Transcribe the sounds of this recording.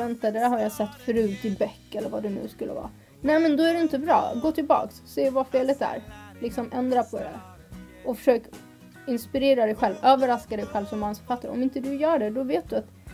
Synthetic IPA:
ɛnt̪ad̪æɾɦaɾjasɛt̪ːfœɾʉ̟ːt̪ɪbɛkːɛlːəɾvad̪ɛnʉ̰ːskɵlːʔə̰vɑ̰ː | nɛɪmɛnd̪ɔæɖɛɪnt̪əbɾɑ̰ːɡoːt̪ʰɪlbɑ̰ːksːeːvafeːlɪt̪æ̰ɾlɪksɔmʔɛnd̪ɾapʰɔd̪ɛ̰ | ʔɔfœ̥ʂøːk | ɪnspɪɾeːɾad̪ɛjɧɛlvøːvəɾaskad̪ɛjɧɛlvsɔmhanspʰat̪ːəɾʔɔ̰mɪnt̪əd̪ɵjœːɖɛd̪ɔveːt̪̚d̪ɵat̪

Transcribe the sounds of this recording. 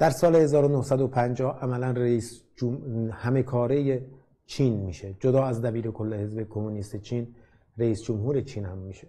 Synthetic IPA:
d̪̥æɾsɒːlehe̞zɒːɾonohsæd̪opʰænd͡ʒɒːhʔæmælænreiːsd͡ʒomhæme̞kʰɒːɾeje | t͡ʃʰiːnmiːʃe̞d͡ʒod̪ɒːæzd̪æbiːɾe̞kʰo̞lːehe̞zbe̞kʰomuniːst̪et͡ʃʰiːn | ɾeiːsd͡ʒomɦuːɾe̞t͡ʃʰiːnhæmːiːʃe

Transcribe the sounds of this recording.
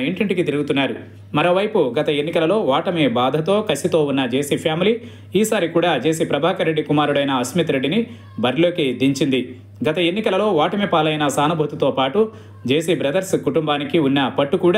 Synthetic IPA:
eɳʈiɳʈikit̪iɾuɡut̪unːaːɾu | mɐɾo̞ːʋɐjpuɡɐt̪ɐe̞nːikɐlɐlo̞ːʋaːʈɐmibaːd̪ʱɐt̪o̞ːkɐsit̪o̞ːunːɐd͡ʒeːsipʰjaːmiliː | iːsaːɾikuːɽaːd͡ʒe̞ːsipɾɐbʱaːkɐɾeɖːikumaːɾuɽɐjnɐɐsmit̪ɾe̞ɖːini | bʱɐɾlo̞ːked̪iɲt͡ʃind̪i | ɡɐt̪ɐenːikɐlɐlo̞ːʋaːʈɐmipaːlɐjnɐsaːnubʱɐt̪ut̪o̞ːpaːʈu | d͡ʒe̞ːsibɾɐd̪ɐɾskuʈumbaːnikiunːɐpɐʈːukuːɽa

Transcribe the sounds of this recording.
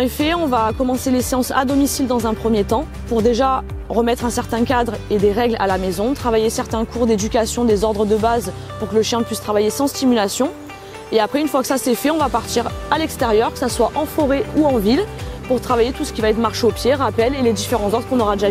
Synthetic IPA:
efɛɔ̃vakɔmɑ̃seleseɑ̃sa̰d̪ɔmisild̪ɑ̃zɛ̃pχəmjet̪ɑ̃ | puʁd̪eʒa | ʁəmɛt̪χɛ̃sɛʁt̪ɛ̃kʲad̪ʁed̪eʁɛɡla̰lamezɔ̃t̪χavajesɛʁt̪ɛ̃kʰuʁd̪ed̪ykʲasjɔ̃d̪ezɔʁd̪ʁəd̪əbaz | puʁkələʃjɛ̃pɥist̪χavajesɑ̃st̪imylasjɔ̃ | eapχɛynfwakə̥sasɛfɛɔ̃vapaʁt̪iʁalɛkst̪eʁjœʁkə̥saswaʔɑ̃fɔʁɛuɑ̃vilpuʁt̪χavajet̪usə̥kʲivaɛt̪χmaʁʃeopjeʁapɛleled̪ifeʁɑ̃zɔʁd̪ʁəkɔ̃nɔʁad̪eʒa

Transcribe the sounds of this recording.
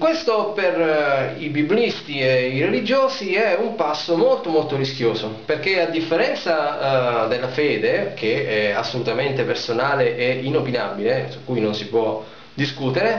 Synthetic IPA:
kwest̪operibiblist̪ieiɾelid͡ʒoːsiɛumpasːomolt̪omolt̪oɾisk̟joːsoperkead̪ːifːeɾɛnt̪sad̪elːafɛːd̪ek̟ʰeɛasːolut̪ament̪epersonaːleʔeinopinabilesu̥kːujnonsipwɔ | d̪iskuːt̪eɾe

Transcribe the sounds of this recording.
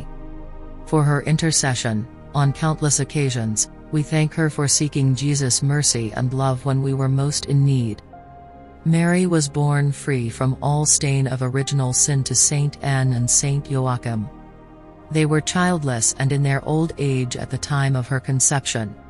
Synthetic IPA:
fə˞ə˞ʔɪ̃ntə˞sɛʃɨ̃n | ə̃nkʰãʊ̃nʔləsɨkʰeɪʒɨ̃nz̥ | wiθæ̃ŋkhə˞fə˞sikɪ̃ŋd͡ʒizɨsmɜ˞siɨ̰̃nlʌvwə̃nwiwə˞moʊstɨ̃nːid̥ | mɛɹiwʌzbɔɹnfɹifɹʌ̃mɔlˠstẽɪ̃nʌvə˞ɪd͡ʒɨn̩l̩ˠsɪ̃ntʰɨsẽɪ̃ntʰɛ̃nɨ̃nsẽɪ̃nʔoʊɑkɨ̃m | ðeɪwə˞t͡ʃʰaɪlˠdˡləsɨ̃nɨ̃nðə˞ʔo̰ʊlˠdeɪd͡ʒɨ̰t̪̚ðɨtʰãɪ̃mʌv̥ə˞kʰɨ̃nsɛpʃɨ̃n

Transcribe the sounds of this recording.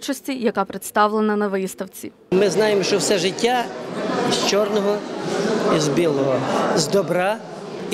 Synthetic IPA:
t͡ʃɐsʲtʲijɐkɑpɾet̪st̪ɑwlˠenɐnɐʋɪst̪ɐwt͡sʲḭ | mɪznɑjemʃt͡ʃɔwsɛʒɪtʲːaist͡ʃɔrnɔɦɔ | izbʲilˠɔɦɔzd̪ɔbɾɑ

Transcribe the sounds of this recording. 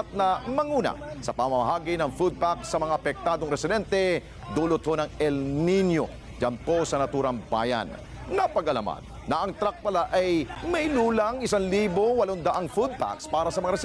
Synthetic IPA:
t̪̚nɐmɐŋuːnɐ̰sɐpɐmɐmɐɦaːɡinɐŋfud̪̚pak̚sɐmɐŋaʔɐpɛk̚t̪aːd̪oŋɾɛsɪd̪ɛnt̪ɛ | d̪uːlot̪̚honɐŋɛlninjo̰ | d͡ʒɐnpo̞sɐnɐt̪uːɾɐŋba̰jɐ̰n | nɐpɐɡɐlɐ̰ma̰nːɐʔɐŋt̪ɾak̚pɐlaʔɐjmɐjluːlɐŋɪsanliːbowɐloŋd̪ɐʔaŋfud̪̚pa̰kspaːɾɐsɐmɐŋaɾɛ

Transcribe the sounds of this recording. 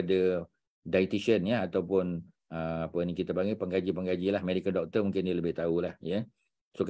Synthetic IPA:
adə | dajt̪iʃənjəat̪awpʊn | əapənĩkit̪abaŋiʔpəŋɡad͡ʒipəŋɡad͡ʒilahmɛdikəndɔk̚t̪ərmũŋkɪndialəbɪht̪aulahjə | sok

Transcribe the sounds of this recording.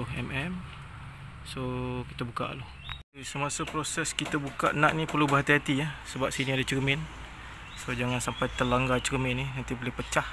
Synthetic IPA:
oɦɛmɛm | sokit̪əbuka̰ʔloh | səmasəpɾosɛskit̪əbukaʔnaʔnipərlubəɦat̪iɦat̪iahsəbap̚siniadət͡ʃərmɪn | sod͡ʒaŋansampajt̪əlaŋɡat͡ʃərmɪnːinant̪ibolɪhpət͡ʃah

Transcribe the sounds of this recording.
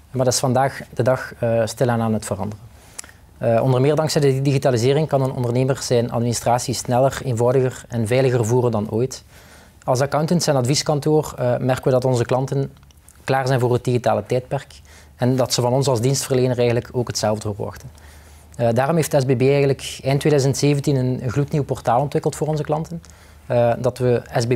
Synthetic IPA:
madɑtɪsfɑndaːxdədɑxstɪlˠanaːnətfərɑ̰ndərən | ʔɔ̰ndərmɪːɹdɑŋksɛjdədiɣitaːlizɪːrɪŋkɑnənɔ̰ndərneːmərz̥ɛjnɑ̰tministraːtsisnɛlˠəreːnvɔwdəɣərɛnvɛjləɣərvuːrəndɑnoːjt | ɑlˠsɑkawntəntsɛnɑtviskɑntoːrmɛrkənʋədɑtɔnzəklɑntən | klaːrzɛjnvʊːrɦət̚diɣitaːlətɛjt̚pɛrk | ɛndɑtsəvɑnɔnsɑlˠzdinstfərleːnərɛjɣənləkoːkɦətsɛlˠvdəɦorʋɔ̰xtə | daːrɔmɦeːftdəɛzbeːbeːɛjɣənləkɛjntʋeːdœɥzəntseːvəntinənənɣlutniwpɔrtaːlˠɔntʋɪkəlˠtfʊːrɔnzəklɑntən | dɑtʋəɛzbe

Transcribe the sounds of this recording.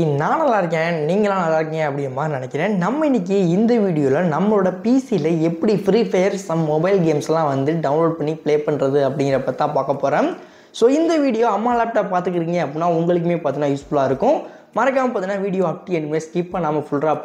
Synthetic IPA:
naːnɐlãːɪɾɯk̬ːẽniːŋɡɐlãːnaːlaːɾɯk̬ːɪŋɡɐɐpːɐɽɪjɐmːaːnɪɳɛkːɪɾẽːnɐmːɐɪnːɪk̬ːɯɪnd̪ɐʋiːɽɪjoːlɐnɐmːɐɭoːɽɐpiːsilɐɛpːɐɽifɾiːfeːɾsɐmmɔbɐɪlɡeːmsɛlːãːʋɐnd̪ɯɖɐʋʊ̃nloːɖ̚pɐɳːipɭeːpɐɳɾɐðɯɐp̬ːɐɽɪ̃ŋɡɪɾɐpːɐt̪ːãːpaːkɐpːoːɾẽː | soːɪnd̪ɐʋiːɽɪjoːɐmːaːlɐp̚ʈːaːpːaːɾt̪ɯkːɪɾiːŋɡɐɐpːɐɽɪnːaːʊŋɡɐɭɯkːɯmeːpaːɾt̪ɪnːaːjuːsblaːɪɾɯkːʊ̃ | mɐɾɐk̬ːaːmɐpaːɾt̪ɪnːaːʋiːɽɪjoːɐp̚ʈiɛnːɖɯmeːskiːpːaːnaːmɐfʊɭɾaː

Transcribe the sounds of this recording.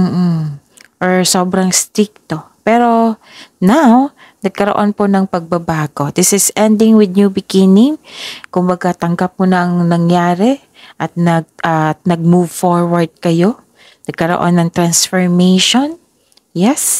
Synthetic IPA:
m̩ːʔ̩ | ʔoɹsoːbɾɐŋst̪ɾɪk̚t̪o̞pɛːɾo̞ | naw | nɐɡ̚kɐɾoʔo̞nponɐŋpɐɡ̚bɐbaːɡo̞d̪̥ɪsɪsɛnd̪ɪŋwɪd̪̚ɲubɪɡɪnɪŋkʊmbɐɡat̪ɐŋɡap̚kʊnɐɐŋnɐŋjaːɾɛ | ʔɐt̪̚nɐɡ̚ʔɐt̪̚nɐɡ̚muvfoɹwɐɹd̪̚kɐjo̞ | nɐɡ̚kɐɾo̰ʔo̰nːɐŋt̪ɾansfoɹmejʃon | jɛs

